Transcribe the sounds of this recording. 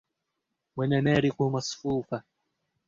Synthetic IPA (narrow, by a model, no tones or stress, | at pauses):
mwɛnɛnɛɾikumasfuka